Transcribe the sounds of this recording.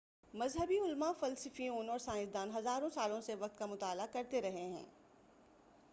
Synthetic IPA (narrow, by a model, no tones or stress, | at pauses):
mɐzɦəbiʊlmafɐlsəfioːnɔːɾsãːɪ̃zd̪aːnɦɐzaːɾõsaːlõseʋɐq̚t̪kamʊt̪aːlakɐɾt̪eɾɐɦeɦɛ̰̃ː